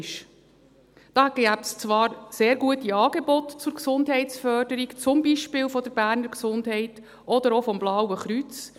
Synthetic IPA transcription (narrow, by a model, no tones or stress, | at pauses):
ʃ | d̥ɑːɛɡæp̚st͡sʋɑːɾseːɾɡuətiɑːɡ̥ebɔtt͡sʊɾksʊnd̪ɦɛɪtt͡sfœrd̥əɾikt͡sʊmbiʃpɪːlfɔd̥̪əɾbæːɾnəɾksʊndɦɛɪt | ɔd̪əɾɔfɔmblɑwəχɾyt͡s